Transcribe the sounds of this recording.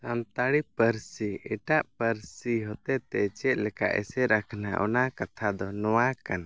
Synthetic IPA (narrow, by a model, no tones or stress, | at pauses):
amt̪aɽipəɾsiɛʈaʔpəɾsiɦɔt̪ɛt̪ɛt͡ʃɛt̪̚ˀlɛka̰ʔɛ̰sɛɾakʰnaʔɔ̰nakat̪ʰad̪ɔnɔwakana